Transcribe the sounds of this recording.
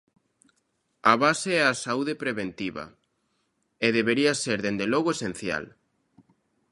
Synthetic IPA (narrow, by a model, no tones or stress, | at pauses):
aβaseɛasauðepɾeβent̪iβa̰ | eðeβeɾiaseɾðend̪elɔɣoesen̟θja̰l